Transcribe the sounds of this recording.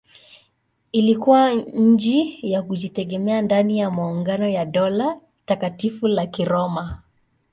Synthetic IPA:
ilikuwaɲ̩d͡ʒijakuʄitɛɡɛmɛandanijamauŋɡanɔjaɗɔla | takatifulakiɾɔma

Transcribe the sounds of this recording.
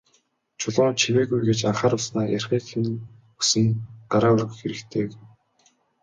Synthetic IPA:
t͡ɕʰʊɮʊːnt͡ɕʰiweːɣujɡet͡ɕaɴχaːɾʊɮsnaːjærʲχiːxɘ̆n | usɘ̆nɢaɾaːɵrɣɵ̆xeɾɘ̆kt̪ʰeː

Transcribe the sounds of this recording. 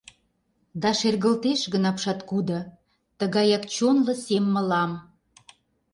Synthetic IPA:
d̪ɑʃerɣəlt̪eʃɣənɑpʃɑt̪kud̪ɤ̆ | t̪əɣɑjɑkt͡ɕonlɤ̆semːə̆lɑm

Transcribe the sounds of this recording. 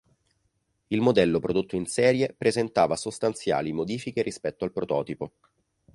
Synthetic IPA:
ilmod̪ɛlːopɾod̪ot̪ːoinsɛːɾjepɾezent̪aːvasost̪ant̪sja̰ːlimod̪iːfikeɾʔispɛt̪ːoalpɾot̪ɔ̰ːt̪ipo

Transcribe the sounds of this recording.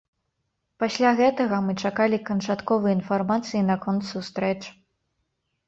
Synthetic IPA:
pasʲlʲaɣɛt̪ɐɣɐmɨt͡ʂakalʲikɐnt͡ʂat̪kɔvɨjinfarmat̪sɨjinɐkɔnt̪sust̪ɾɛt͡ʂ

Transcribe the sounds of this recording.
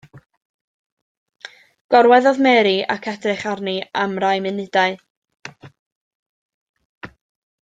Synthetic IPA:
ɡ̥ɔɾwɛðɔðmɛːɾia̰kʰɛdrɪχarniamrajmɨnɪdaɨ

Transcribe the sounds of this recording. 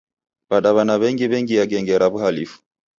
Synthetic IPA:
baɗaβanaβɛŋɡiβɛŋɡijaɡɛŋɡɛɾaβuhalifu̥

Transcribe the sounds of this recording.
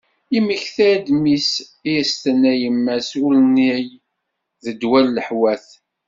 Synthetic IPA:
iməçθæd̪misiæst̪ənæjəmːæsulnij | ðəd̪wælːəħwæθ

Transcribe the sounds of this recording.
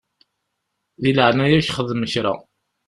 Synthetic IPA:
ðiləʕnæjæçχəðməçɾæ̰

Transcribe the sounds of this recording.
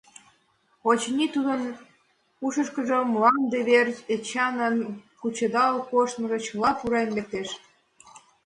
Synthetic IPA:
ot͡ɕnʲit̪ud̪ən | uʃə̆ʃkəʒomlɑnd̪eβeret͡ɕɑnənkut͡ɕəd̪ɑlkoʃt̪məʒŏt͡ɕəlɑpuɾɑnlek̚t̪eʃ

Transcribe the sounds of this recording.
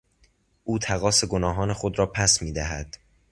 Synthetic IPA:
ʔuːt̪ʰæɣɒːse̞ɡonɒːɦɒːne̞xod̪ɾɒːpʰæsmiːd̪æɦæd̪̥

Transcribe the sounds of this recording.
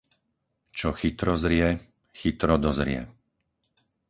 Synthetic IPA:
t͡ʃɔxit̪ɾɔzɾɪɛ | xit̪ɾɔd̪ɔzɾɪɛ̰

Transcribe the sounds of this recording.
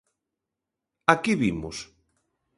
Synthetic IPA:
akiβimʊ̰s

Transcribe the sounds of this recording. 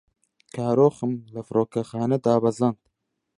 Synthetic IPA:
kʰaːɾoːxɨmlɨfɾoːkɛxɑːnɛd̪aːbɐzɑnd̪

